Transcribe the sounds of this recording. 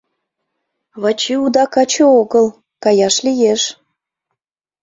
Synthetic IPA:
βɑt͡ɕiud̪ɑkɑt͡ɕəoɣəl | kɑjɑʃlijeʃ

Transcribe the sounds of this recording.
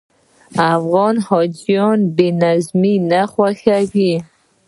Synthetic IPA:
afɣɔnhɔd͡ʒijɔnbenazminaχwaxaɡi

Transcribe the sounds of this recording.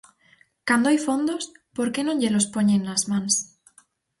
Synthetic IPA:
kand̪oajfõnd̪ospoɾkenõɲʎelospoɲenːazmãns

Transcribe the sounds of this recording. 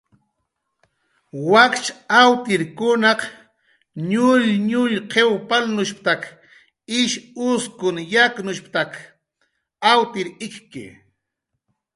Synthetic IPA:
wakt͡ʃawt̪ɪɾkʊnɑq | ɲʊʎɲʊʎqʰewpalnʊʃp̚t̪ak | ɪʃʊskʊnjaknʊʃpt̪ak | awt̪ɪɾɪkkɪ̰

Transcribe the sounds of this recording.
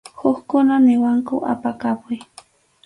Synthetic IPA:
xʊxkʊnanɪwaŋkʊʔa̰pakapʊj

